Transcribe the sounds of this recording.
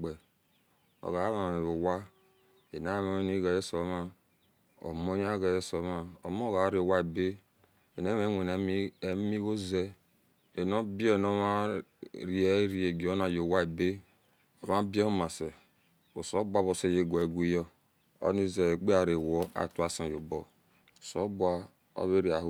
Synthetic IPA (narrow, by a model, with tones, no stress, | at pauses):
ɡ͡be˨ | o̰˨ɣa˨˦ma˨o˨wa˦ | e˨na˦ma˨˦ni˦ɡa˨je˦so˨˦ma˦ | o̰˨mo˦ja˦ɡa˨je˦so˨˦ma˦o˨mo˦ɣa˨˦ɾe˨wa˦e˨be˦ | e˨ne˦me˦ŋʷe˨n˨˦e˨mi˦ɣo˦ze˦ | e˨no˦bi˦e˦˨no˦ma˦ɾi˦e˦ɾi˦e˨ɡi˨o˦na˨jo˨wa˦e˨be˦ | o˨ma˦bi˦ma˨se˨ | o˨so˨˦bʷa˦βo˨se˦˨je˦ɡʷo˨e˨ɡʷi˦jɔ˦ | o̰˦ni˦ze˨e˨ɡ͡be˦a˨ɾe˨wo˦a̰˨tu˦a˦sã˨jo˨bo˨ | so˦bu˦a˦ | o̰˦βe˦ɾi˨a˨h